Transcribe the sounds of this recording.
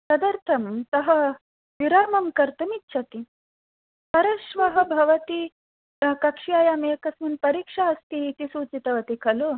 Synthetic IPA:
sɐd̪ɐɾt̪ʰɐmt̪ɐɦɐ̆ | ʋiɾaːmɐmkɐɾt̪ɐmitːʃʰɐt̪i | pɐɾɐʃʋɐɦɐ̆bʱɐʋɐt̪i | t̪ɐkɐkʂijaːjameːkɐsmunpɐɾiːkʂaɐst̪iːt̪isuːt͡sit̪ɐʋɐt̪ikʰɐlo

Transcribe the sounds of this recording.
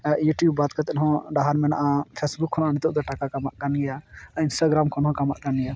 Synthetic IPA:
juʈjubːat̪̚kəɾt̪ɛnɦɔ̃ɖaɦaɾmɛnaʔapʰesbukʰːɔnanit̪ɔd̪ɔʈakakamaʔkanɡɛjainsʈaɡɾamkʰɔnɦɔ̃kama̰ʔk̪anija

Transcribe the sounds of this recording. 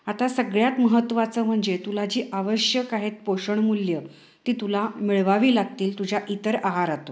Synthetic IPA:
at̪asəɡɭjat̪məɦət̪ːʋat͡səːm̤əɳd͡zet̪ulad͡ʑiːʔaʋəɕjəkaɦet̪̚poɕəɳmuljə | t̪iːt̪ulamiɭʋaʋiːlaɡ̚t̪iːlt̪ud͡ʑʱaʔit̪əɾaɦaɾat̪o

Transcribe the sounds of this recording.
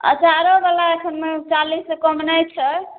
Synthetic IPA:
ə̰d͡ʒʱaɾobalaekʰənmet͡ʃalisːẽkɔmnəjt͡ʃʰɛ

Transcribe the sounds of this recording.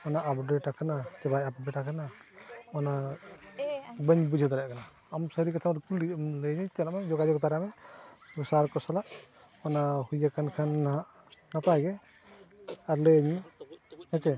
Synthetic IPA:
manaʔːpɔdɛʈakʰanat͡ʃɛbajapɔbɛʈakʰanamana | bəɲbud͡ʒʱɔd̪aɾaʔkʰanaː | msəɾikat̪ʰamɔɾkuliɔmleɲɛtɛlamad͡ʒɔɡad͡ʒɔkt̪aɾamɛbɔsaɾkɔsalaʔ | manahujakʰankʰanːaɦaʔ | napajɡɛ | aɾleɲɛhɛt͡ʃɛ

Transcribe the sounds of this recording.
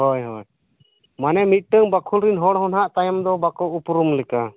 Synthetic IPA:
ɦɔjɦɔj | manɛmit̪̚ʈəŋbakʰulɾinɦɔɽɦɔnɦaʔt̪ajamd̪ɔbakɔwupɾumlɛka

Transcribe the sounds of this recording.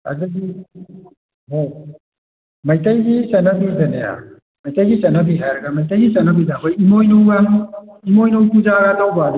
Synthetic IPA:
ɐ̰ziɡi | ɦo | mɐjtɐjɡisɐnɐbid͡ʒɐnea̰ | mɐjtɐjɡisɐnɐbiɦajɾɐɡɐmɐjtɐjɡisɐnɐbizakojimojnowɡaimojnowpud͡ʒaɡanɐwbad

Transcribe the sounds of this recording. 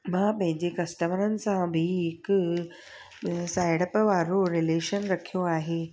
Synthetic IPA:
mãːpɐ̃ɦɪ̃ɲd͡ʑekɐsʈəmɾənɪ̆sãbʱiɦɪk | saːɪɽəpʋaːɾoɾɪleːʃənɾɐkʰijoaːɦeː

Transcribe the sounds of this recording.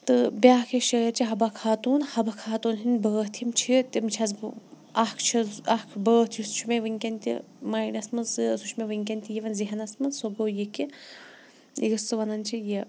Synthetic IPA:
t̪ɨbʲaːkʰeʃɐːɐɾt͡ʃiɦɐbɐkʰaːt̪uːnhɐbɐkʰaːt̪uːnɦinʲbəːht̪ʰimt͡ʃʰit̪imt͡ʃʰɐz | ɐhkʰt͡ʃʰizɐhkʰbəːht̪ʰjusu̥t͡ʃʰumeʋɨŋkʲɐnʲt̪ḭ | maːjnʲɐsmɐnsɨsut͡ʃʰmeʋɨŋʲk̬ʲɐnʲt̪ʲijiʋɐnziɦɐnɐsmɐnsoboːjiki | ḭɡɐsɨʋɐnɐnʲt͡ʃʰijɐ

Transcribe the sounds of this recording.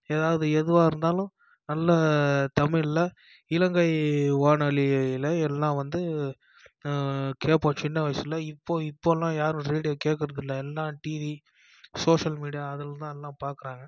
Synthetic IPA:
eːðaːʋɐðɯɛðɯʋaːɪɾɯnd̪aːlʊ̃ | nɐlːɐt̪ɐmɪlːɐ | ɪlɐŋɡɐɪʋaːɳɐɭɪɪlɐɛlːãːʋɐnd̪ɯ | keːpːoːt͡ʃɪnːɐʋɐɪsɪlːɐɪpːoːɪpːoːlːãːjaːɾɾiːɽɪjoːkeːʈkːɪɾɐðɯlːɐɛlːãːʈiːʋi | soːʂɐlmiːɽɪjaɐðɯlt̪ãːɛlːãːpaːɾkɯɾãːŋɡɐ

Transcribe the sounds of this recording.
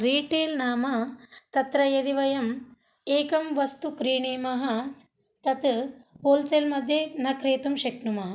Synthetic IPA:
ɾiːʈeːlnaːmɐt̪ɐt̪ɾɐjɐd̪iʋɐjɐm | eːkɐmʋɐst̪ukɾiːɳiːmɐɦɐ | t̪ɐt̪oːlselmɐd̪ʱjɐnɐkɾeːt̪umʃɐknumɐɦɐ

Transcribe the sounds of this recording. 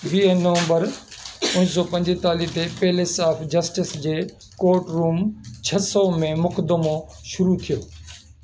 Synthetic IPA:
ʋiːeːəʋə̃mbəɾʊnɪs̬ɔpɐ̃ɲd͡ʑɪɦt̪aːlit̪epeɦɪlesaːfd͡ʑɐsʈɪsd͡ʑeː | koːɾʈɾuːmt͡ɕʰɐsɔmẽmʊkəd̪əmo | ʃʊɾut̪ʰijoː

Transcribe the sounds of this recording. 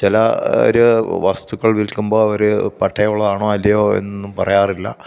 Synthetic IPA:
t͡ɕilɐo̰ɾuʋɐst̪uɣɐɭʋilkumbo̞ːɐʋɐɾɨpɐʈʰːɐjuɭːɐðaːɳoːɐlːɐjoːḛnːumpɐrɐjaːrilːɐ̰

